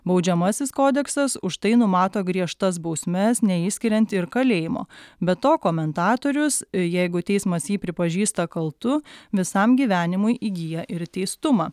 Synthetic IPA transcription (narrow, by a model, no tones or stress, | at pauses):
bɒʊd͡ʒʲɛmɐsʲɪskoːd̪ʲɛksɐsʊʃt̪ɐɪnʊmɑːt̪oːɡɾʲiɛʃt̪ɐs̬bɒʊsʲmʲɛsnʲɛiːsʲkʲɪɾʲɛnʲt̪ʲɪɾkɐlʲeːjɪmo̰ːbʲɛt̪oːkoːmʲɛnt̪ɑːt̪oːɾʲʊsjɛɪɡʊt̪ʲɛɪsmɐsjiːpʲɾʲɪpɐʒʲiːst̪ɐkɐlˠt̪ʊʋʲɪsɐmɡʲiːʋʲæːnʲɪmʊjʔiːɡʲijɛʔɪɾt̪ʲɛɪst̪ʊmɑː